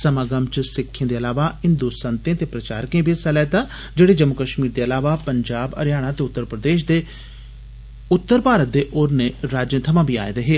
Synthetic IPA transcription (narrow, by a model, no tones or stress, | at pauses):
səmaːɡəmt͡ʃəsɪkʰːẽːd̪eːəlaːʋaːɦɪnd̪uːsənt̪ẽːt̪eːpɾət͡ʃa̰ːɾkẽːbʱisɛlɛːt̪aː | d͡ʒeːɽeːd͡ʒəmːʊkəʃmiːɾd̪eːəlaːʋaːpəɲd͡ʒaːbə̰ɾjaːɽ̃ãːt̪eːʊt̪ːəɾpɾəd̪eːʃd̪eː | ʊt̪ːəɾpaːɾət̪̚d̪eːʔoːɾneːɾaːd͡ʒẽːt̪ʰəmãːbʱiːa̰ːḛd̪eɦeː